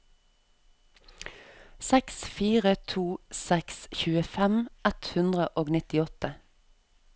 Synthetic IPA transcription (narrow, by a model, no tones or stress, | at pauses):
sɛksfiːʁət̪ʰuːsɛksçʉːəfɛmɛt̪hʉnd̪ʁəʔoːɡnɪt̪ɪɔt̪ə